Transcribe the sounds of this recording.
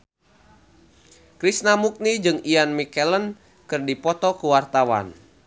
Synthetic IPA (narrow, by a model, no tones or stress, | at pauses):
kɾisnamuk̚nid͡ʒɨŋianmikɛlən | kɨrdipɔt̪ɔkuwart̪awa̰n